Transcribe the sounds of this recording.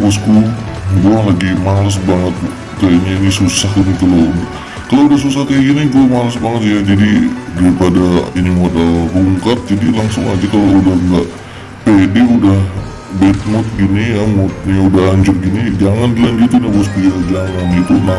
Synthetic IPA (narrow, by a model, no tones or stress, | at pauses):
pʊs̬ku | buahlaɡimalas̬baŋət̪̚ | kajaɲainisusahinik̪əlon | kaloudahsusaht̪aiɡinik̪omalasbaŋət̪jad͡ʒadidaɾipadainimodalbuŋkat̪̚d͡ʒadilaŋsʊŋad͡ʒakaloudahŋɡaʔ | pedeudah | bet̪̚mʊt̪̚ɡinijamʊt̪̚ɲaudaɦaɲd͡ʒʊr̚ɡinid͡ʒaŋandəland͡ʒit̪unabʊs̬piad͡ʒaŋanit̪una